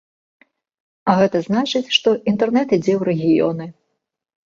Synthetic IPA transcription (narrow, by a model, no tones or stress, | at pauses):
ɐɣɛt̪ɐznat͡ʂɨt͡sʲʂt̪ɔʔint̪ɛrnɛt̪id͡zʲɛwɾɛɣʲijɔ̰nɨ